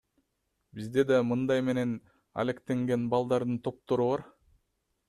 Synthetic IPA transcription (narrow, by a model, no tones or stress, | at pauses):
bizd̪e̞d̪ɑmɯnd̪ɑjme̞ne̞n | a̰le̞kt̪e̞ŋɡe̞nbɑlˠd̪ɑɾd̪ɯnt̪ʰo̞p̚t̪o̞ɾuβɑɾ